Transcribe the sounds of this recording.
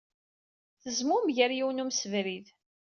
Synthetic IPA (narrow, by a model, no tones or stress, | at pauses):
θəzmʊmʝəɾjiwnumsəvɾið